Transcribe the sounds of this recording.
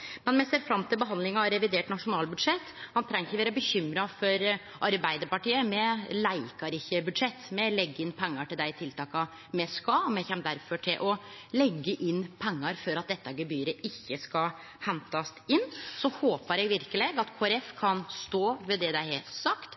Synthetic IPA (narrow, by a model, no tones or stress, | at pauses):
mɛnmjæseːɾfɾɑmt̪ʰɪlbəɦɑnd̪lɪŋɑɑɾɛʋɪd̪eːʈnɑʂʊnɑːlbʉd̪ʂɛt̪ːhɑnt̪ʰɾɛŋɪçəʋeːɾəbəçʏmɾɑfɔɾ | ʔɑɾbæɪd̪əɾpɑʈiːəmɛlæɪkɑɾɪçːəbʉd̪ʂɛt̪ːmɛlɛɡːəɪnːpʰɛŋːɑʈɪld̪æɪt̪ʰɪlt̪ʰɑːkɑ | mɛskɑmɛçɛmd̪æɾfɔʈʰɪlʔɔlɛɡːəʔɪnːpʰɛŋːəɾfɔɾɑt̪̚d̪ɛt̪ːəɑɡəbyːɾəʔɪçːəskɑ | hɛnt̪ɑsɪnːsɔhoːpəɾɛɡʋɪɾkəleːɡɑt̪kʰoːɛɾɛfkʰɑnst̪oːʋɛd̪ɛd̪æɪheːlt̪sɑkt̪